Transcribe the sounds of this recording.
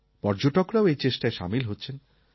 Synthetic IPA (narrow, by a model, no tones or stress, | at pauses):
pɔɾd͡ʑoʈokɾaoejt͡ɕeʃʈaeʃa̰milɦotːɕʰen